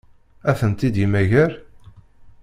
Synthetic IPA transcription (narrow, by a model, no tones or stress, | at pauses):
æθənt̪id̪imæʝæɾ